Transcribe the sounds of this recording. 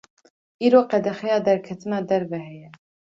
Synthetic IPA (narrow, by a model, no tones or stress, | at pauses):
iːɾoːqɛd̪ɛxɛjɑːd̪ɛɾkʰɛt̪ɨnɑːd̪ɛɾvɛɦɛjɛ